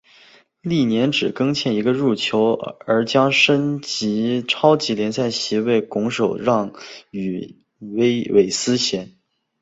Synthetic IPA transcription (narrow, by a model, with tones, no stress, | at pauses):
li˥˩njɛ˧˥nʈ͡ʂɻ̩˨˩kɤ˥ŋt͡ɕʰjɛ˥˩ni˧˥ɡə˧ɻu˥˩t͡ɕʰjo˧˥ʊə˞˧˥t͡ɕjɑ˥ŋʂə˥nt͡ɕi˧˥ʈ͡ʂʰɑ˥ʊt͡ɕi˧˥ljɛ˧˥nsa˥˩ɪɕi˧˥we˥˩ɪkʊ˧˥ŋʂo˨˩ʊɻɑ˥˩ŋy˨˩ | we˥ɪwe˧˩ɪsɹ̩˥ɕjɛ˧˥n